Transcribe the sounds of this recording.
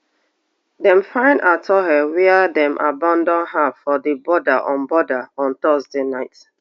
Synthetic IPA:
dɛ̃mfãɪ̃ndatʰɔɦɛwɛadɛ̃mʔa̰bãndɔ̃nɦavfɔdebɔdaʔɔ̃nbɔdaɔ̃ntɔzdenaɪt

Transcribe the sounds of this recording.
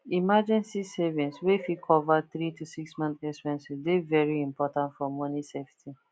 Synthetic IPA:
imad͡ʒɛ̃nsisevĩnswefikʰɔvaθɾitusiksmãnt̪ɛkspɛ̃nsidevɛɹiĩmpɔtãntfɔmɔniseftʰi

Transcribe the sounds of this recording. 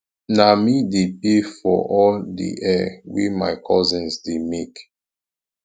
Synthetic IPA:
namidepefɔ̰ʔɔldḭʔɛwḭma̰ɪkʰɔzĩnsdemek

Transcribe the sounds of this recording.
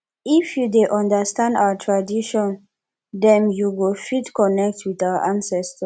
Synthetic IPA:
ifjudeʔɔ̃ndəstãnda̰wətʰɹadiʃɔ̃n | dɛ̃njuɡofitkɔnɛk̚tʰwiθawəʔãnsɛstə

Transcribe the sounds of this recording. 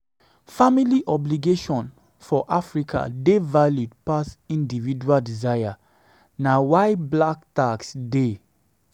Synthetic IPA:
familiʔɔbliɡeʃɔ̃n | fɔʔafɹikʰa̰devaludpasĩndivid͡ʒualdizaja | nawaɪblaktaksde

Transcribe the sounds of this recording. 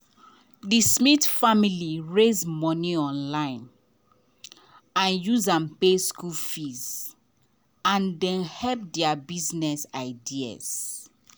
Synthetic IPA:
dismitfamiliɹezmɔniɔ̃nlãɪ̃n | ãnjuzãmpeskulfiz | ãndɛ̃nhɛp̚dɛabiznɛsaɪdia̰z̥

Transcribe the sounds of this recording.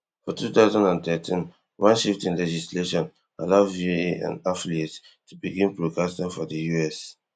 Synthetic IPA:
fɔtʰuθaʊzãndãntɛtʰĩn | wãnʃiftĩnlɛd͡ʒisleʃɔ̃n | a̰laʊieã̰nafliet | tʰubiɡĩnpɹokastãnfɔdəjuɛs

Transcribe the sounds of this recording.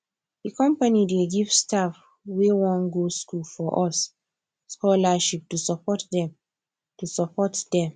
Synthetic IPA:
dikɔ̃mpanideɡivstaf | wewɔ̃nɡoskulfɔʔɔs | skɔlaʃip̚tusapɔtdɛ̃m | tusapɔtdɛ̃m

